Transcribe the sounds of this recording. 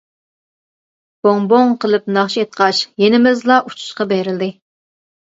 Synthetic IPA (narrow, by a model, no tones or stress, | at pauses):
b̥oŋboŋqʰəlˠɨp̚nɑχʃiet̪̚qʰɑʃjenɪmɪzlˠɑʔut͡ʃʰu̥ʃqɑbeɾɪld̪ɪ